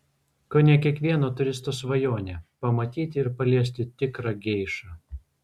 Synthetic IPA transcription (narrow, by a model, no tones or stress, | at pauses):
koːnʲɛkʲiɛkʋʲiɛnoːt̪ʊɾʲɪst̪oːsʋɐjoːnʲeːpɐmɐt̪ʲiːt̪ʲɪɪɾpɐlʲiɛs̬ʲt̪ʲɪt̪ʲɪkɾɐɡʲɛɪʃɐ